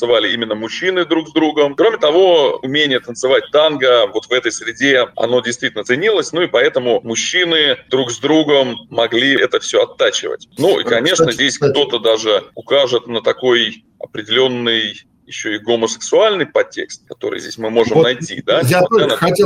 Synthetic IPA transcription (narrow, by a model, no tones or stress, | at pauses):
sɨvalʲɪimʲɪnːəmʊɕːinɨd̪ɾuɡzd̪ɾuɡəmkɾo̞mʲɪt̪ɐvo̞ʊmʲenʲɪjət̪ənt̪sɨvat̚ʲt̪anɡəvo̞t̪vɛt̪əjsɾʲɪdʲeɐ̰no̞dʲɪjst̪vʲitʲɪlnət̪sɨnʲilˠəsʲnuɪpɐɛt̪əmʊmʊɕːinɨd̪ɾuɡzd̪ɾuɡəmːɐɡlʲiɛt̪əfsʲoɐt̪ːat͡ɕɪ̰və̰tʲnuʔḭkɐnʲe̞ʂnəzʲdʲesʲkt̪o̞t̪əd̪aʐɨʊkaʐɨt̪nət̪ɐko̞j | ɐpɾʲɪdʲɪlʲo̞nːɨj | jɪɕːoɪɡoməsʲɪ̥ksʊalʲnɨjpɐtʲːe̞̰kst̪̚kɐt̪o̞̰ɾɨ̰jzʲdʲḛsʲmɨmo̞ʐɨmnɐjtʲḭd̪aan